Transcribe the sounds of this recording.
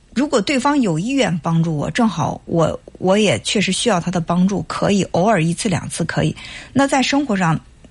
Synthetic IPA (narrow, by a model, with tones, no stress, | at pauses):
ɻu˧˥kwɔ˨˩t̪we˥˩ɪfɑ˥ŋjo˨˩ʊi˥ɥɛ˥˩npɑ˥ŋʈ͡ʂu˥˩wɔ̰˨˩ʈ͡ʂɤ˥˩ŋxɑ˨˩˦ʊwʔɔ̰˧˥wɔ˧˥jɛ˨˩t͡ɕʰɥɛ˥˩ʂ̬ɻ̩˧˥ɕy˥jɑ˥˩ʊt̪ʰa˥d̪ə˨˩pɑ˥ŋʈ͡ʂu˥˩kʰɤ̰˧˥i˨˩˦ʔo˧˥ʊə˞˨˩i˧˥t͡sʰɹ̩˥˩ljɑ̰˨˩ŋt͡sʰɹ̩˥˩kʰɤ˧˥i˨˩˦na˥˧t͡sa˥˩ɪʂɤ˥ŋxwɔ˧˥ʂɑ˥˩ŋ